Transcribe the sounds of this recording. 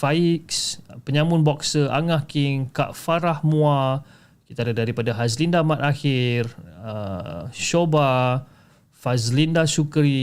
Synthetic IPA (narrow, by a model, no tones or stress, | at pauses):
faikspəɲãmʊnbɔksəʔa̰ŋahkiŋka̰ʔfaɾahmua | ki̥t̪adadaɾipadaɦas̬lindamat̪axɪrəʃoba | fazlindasukɾi